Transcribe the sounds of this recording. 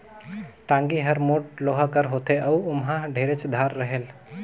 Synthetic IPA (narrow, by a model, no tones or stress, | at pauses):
ʈãːŋɡiɦəɾmoːʈ̚loːɦakəɾɦoːt̪eɐuʊmɦãɖʱeːɾet͡ʃd̪ʱaːɾːəɦel